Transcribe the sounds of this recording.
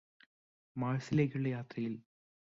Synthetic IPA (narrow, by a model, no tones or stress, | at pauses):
maːɻsileːkʲːiuɭːɐjaːt̪rɐjil